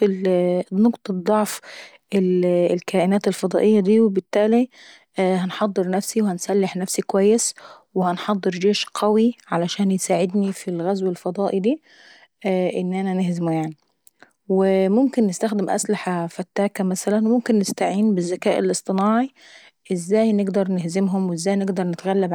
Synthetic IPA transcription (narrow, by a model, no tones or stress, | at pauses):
ilnoqt̪ˤɑd̪ˤːɑʕf | ʔɪllkæːʔɪnæːt̪elfɑd̪ˤɑ̰ːʔɪjːæd̪iːwebɪt̪ːæːli | hænħɑd̪ˤːɨɾˤnæfsiwhænsælːɪħnæfsikowæjːeswɪhænħɑd̪ˤːɨɾˤd͡ʒeːʃqʰɑwiʕalæʃæːnjsaːʕɪd̪nifilɣæzwelfɑd̪ˤɑːʔid̪iː | ʔɪnːʔænænɪhzɪmujaʕni | wɪmʊmkɪnːɪst̪æxd̪ɪmʔæ̰slɪħafæt̪ːæːkæmæsælænwemʊmkɪnːɪst̪aʕiːnbɪzːækæːʔḛlʔɨsˤt̪ˤɨnɑːʕi | ʔɪzːæːjnɪɡd̪ɑɾˤnɪhzɪmɦʊmwzːæːjnɪɡd̪ɑɾˤnɪt̪ɣælːæb